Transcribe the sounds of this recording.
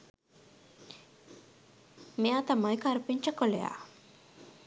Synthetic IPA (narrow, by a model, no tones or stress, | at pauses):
meaːt̪ɐmɐikaːɾupiɲt͡ʃɐkoleja̰ː